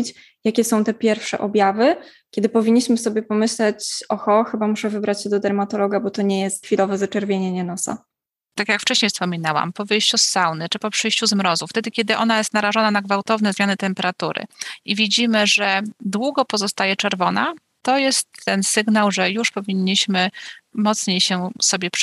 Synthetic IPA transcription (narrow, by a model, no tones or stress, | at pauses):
t͡ɕ | jakʲɛsɔ̃w̃t̪ɛpʲjɛɾfʂɛ̰ʔɔbʲjavɘkʲɛd̪ɘpɔvʲiɲːiɕmɘsɔbʲjɛpɔmɘɕlɛt͡ɕɔxɔxɘbamuʂɛvɘbɾat͡ɕɕɛd̪ɔd̪ɛɾmat̪ɔlɔɡabɔt̪ɔɲɛjɛst̪̚xfʲilɔvɛzat͡ʂɛɾvʲjeɲɛɲɛnɔsa̰ | t̪akʲjakft͡ʂɛɕɲejfspɔmʲinawa̰mpɔvɘjɕt͡ɕusːawnɘt͡ʂɘpɔpʂɘjɕt͡ɕuzmɾɔzuft̪ɛd̪ɘkʲɛd̪ɘʔɔnajɛst̪naɾaʐɔnanaɡvawt̪ɔvnɛzmʲjanɘt̪ɛmpɛɾat̪uɾɘ̰ivʲid͡ʑimɘʐɛd̪wuɡɔpɔzɔst̪ajɛt͡ʂɛɾvɔna̰ | t̪ɔjɛst̪ːɛnsɘɡnawʐɛjuʂpɔvʲiɲːiɕmɘmɔt̪sɲejɕɛsɔbʲjɛp